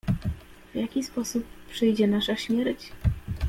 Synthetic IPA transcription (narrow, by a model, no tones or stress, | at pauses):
vʲjakʲispɔsupːʂɛjd͡ʑɛnaʂaɕmʲjɛɾt͡ɕ